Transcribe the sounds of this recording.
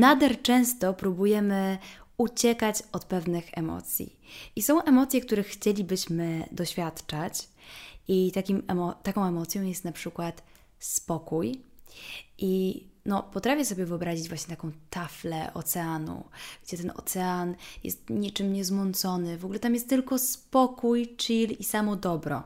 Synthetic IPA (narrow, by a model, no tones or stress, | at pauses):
nad̪ɛɾt͡ʂɛ̃w̃st̪ɔpɾubujɛmɘut͡ɕɛkat͡ɕɔt̪pɛvnɘxɛ̰mɔ̰t̪sʲjḭ | ʔisɔ̃w̃ʔɛmɔt̪sʲjɛkt̪uɾɛxxːt͡ɕelʲibɘɕmɘd̪ɔɕfʲjat̪t͡ʂat͡ɕ | it̪akʲimɛmɔt̪akɔ̃w̃ɛmɔt̪sʲjɔ̃w̃jɛst̪napʂɘkwat̪ | spɔkuj | ʔinɔpɔt̪ɾafʲjɛsɔbʲjɛvɨɔbɾaʑid͡ʑvwaɕɲɛt̪akɔ̃w̃t̪aflɛ̰ʔɔ̰t̪sɛanṵɡ̥d͡ʑɛt̪ɛnɔ̰t̪sɛanjɛ̰st̪ɲit͡ʂɘmɲɛzmɔnt̪sɔnɘvɔɡulɛt̪amjɛst̪ːɘlkɔspɔkujt͡ʂilisamɔd̪ɔbɾɔ̰